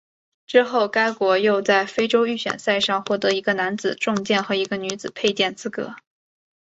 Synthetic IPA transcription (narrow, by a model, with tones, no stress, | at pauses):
ʈ͡ʂɻ̩˥xo˥˩ʊka˥ɪkwɔ˧˥jo˥˧ʊt͡sa˥˩ɪfe˥ɪʈ͡ʂo˥ʊy˥˩ɕɥɛ̰˨˩nsa˥˧ɪʂɑ˥˧ŋxwɔ˥˩t̪ɤ˧˥i˧˥ɡə˧na˧˥nt͡sɹ̩˨˩ʈ͡ʂʊ˥˧ŋt͡ɕjɛ˥˩nxɤ˧˥i˧˥ɡə˧ny˧˥d͡zɹ̩˨˩pʰe˥˧ɪt͡ɕjɛ˥˩nt͡sɹ̩˥kɤ̰˧˥